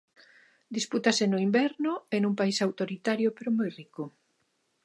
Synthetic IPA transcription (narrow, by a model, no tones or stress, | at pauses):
d̪isput̪asenoimbɛɾnoenuŋpaisawt̪oɾit̪aɾjopeɾomojriko